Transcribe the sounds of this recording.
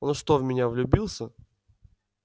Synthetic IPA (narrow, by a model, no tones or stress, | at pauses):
onʂt̪ovmʲɪnʲavlʲʊbʲilˠsʲə